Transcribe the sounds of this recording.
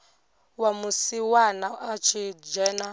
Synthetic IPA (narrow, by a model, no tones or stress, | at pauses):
wamusiwanaat͡ʃʰid͡ʒɛna